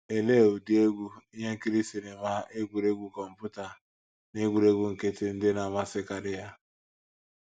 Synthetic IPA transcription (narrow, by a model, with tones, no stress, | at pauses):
e˨le˦˨u˨di˦e˦ɡʷu˦i˦ɦe˦ŋ̩˦ki˦ɾi˦si˨ne˨ma˦ʔe˦ɡʷu˨ɾe˦ɡʷu˦kɔ˨m̩˨pu˦ta˨ | ne˦ɡʷu˨ɾe˦ɡʷu˦ŋ̩˨ke˦tɪ˦n̩˦dɪ˦na˨ma˦sɪ˦ka˨ɾɪ˦ja˦